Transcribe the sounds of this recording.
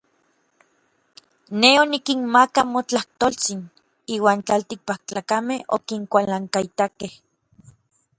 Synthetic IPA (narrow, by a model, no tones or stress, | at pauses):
neonikinmakamot͡ɬaht̪olt͡sin | iːwaːnt͡ɬalt̪ik̚pak̚t͡ɬaːkameho̰kiŋkʷalaŋkait̪akeh